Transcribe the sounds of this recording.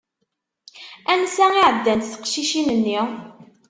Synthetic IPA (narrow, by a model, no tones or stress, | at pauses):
ænsæŋiʕəd̪ːænt̪θə̥qʃiʃinənːi